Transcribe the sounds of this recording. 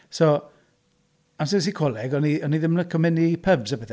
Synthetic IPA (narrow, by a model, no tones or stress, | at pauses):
so | amsɪs̬ikʰɔlˠɛɡɔniɔniðɪməkʰɔmɪnipʰəbzabɛθ